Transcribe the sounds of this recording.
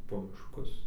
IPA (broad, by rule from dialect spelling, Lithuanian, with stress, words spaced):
poː mʲɪʃˈkʊs